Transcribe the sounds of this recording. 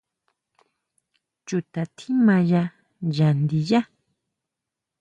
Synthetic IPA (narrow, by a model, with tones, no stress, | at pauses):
t͡ʃu˨t̪a˨t̪ʰĩ˦mã˧ja˧ | ʒa˨nd̪i˧ja˦